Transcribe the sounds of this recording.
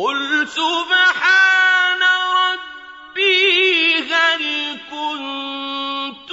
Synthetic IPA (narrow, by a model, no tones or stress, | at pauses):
qʊlsʊbħaːnalːɑ | bɪ | ɣaɾikʊn | t̪